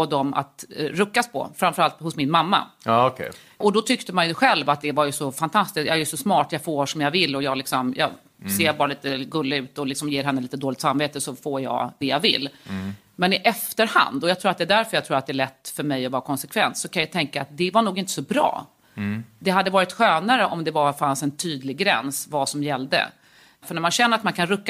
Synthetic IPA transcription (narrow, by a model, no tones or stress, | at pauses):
ɔd̪ɔma̰t̪ɾɵkːaspʰɔ̰fɾamfœɾalt̪hʊsmɪnmamːa̰kʰɛ̰ | ʔɔd̪ɔt̪ʰʏkt̪əmanjɵɧɛlvat̪̚d̪ɛvaɾjɵsɔfant̪ʰast̪ɪskt̪jɑ̰ɛɾjɵsɔsmɑːʈjɑfoːʂɔmjavɪlːɔjɑːlɪksɔmjɑ̰ː | seːɾbɑːɾaliːt̪əɡɵlːɪʉ̟ːt̪ɔlɪksɔmjeːɾɦɛnːəliːt̪əd̪oːlɪɡt̪samveːt̪əsɔfoːɾjɑ̰d̪ɛjavɪ̰lː | mɛnɪʔɛft̪əɾha̰nd̪ɔjɑt̪ʰɾuːɾt̪̚d̪ɛːd̪æɾfœɾjat̪ʰɾuːɾat̪d̪ɛæɭɛt̪ːfœɾmɛjɔvɑːɾakʰɔnsɛkʰvɛ̰nt̪sɔkʰanjat̪ʰɛŋka̰ːt̪̚d̪ɛvaɳuːɡɪnt̪ə̥sɔbɾɑ̰ː | d̪ɛɦad̪ːəvɑːɾɪt̪ɧøːnaɾəʔɔmd̪ɛvafansɛnt̪ʰyːd̪lɪɡɡɾɛ̰nsvasɔmjɛlːd̪ə̰ | fœɳæmanɕɛnːəɾat̪mankʰanɾɵkː